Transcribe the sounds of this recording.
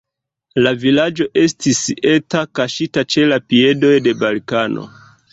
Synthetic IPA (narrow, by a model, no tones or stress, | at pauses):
lavilad͡ʒo̞ʔe̞stise̞takaʃitat͡ʃe̞lapie̞do̞jde̞balkano̰